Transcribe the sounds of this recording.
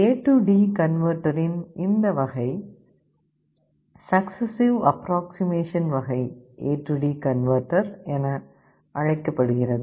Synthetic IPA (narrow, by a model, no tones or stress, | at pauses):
eːʈːuɖiːkɐnʋɐɾʈɐɾɪnɪnd̪ɐʋɐɣɐɪ | sɐksɐsɪʋɐpɾaːksɪmeːʂɐnʋɐɣɐɪʔeːʈːuɖiːkɐnʋɐɾʈːɐɾɛnɐ | ʔɐɻɐɪkːɐpːɐɽɯɣɪrɐðɯ